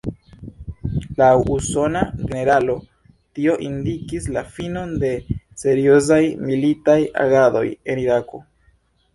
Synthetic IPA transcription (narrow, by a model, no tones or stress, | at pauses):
lawʔuso̞naɡe̞ne̞ɾalo̞ | tio̞ʔindikislafino̞nde̞se̞ɾio̞zajmilitaja̰ɡado̞̰je̞niɾako̞̰